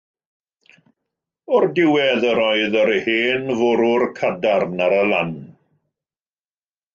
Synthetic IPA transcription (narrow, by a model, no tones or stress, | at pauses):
ɔrdɪwɛðəɾɔɨðəɾheːnvʊɾʊrkʰadarnaɾəlˠan